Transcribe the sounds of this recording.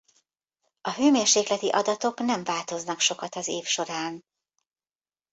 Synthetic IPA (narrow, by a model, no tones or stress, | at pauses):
ɒɦøːmeːrʃeːklɛt̪iʔɒd̪ɒt̪o̞knɛɱvaːlt̪o̞znɒkʃo̞kɒt̪ɒzeːfʃo̞ɾaːn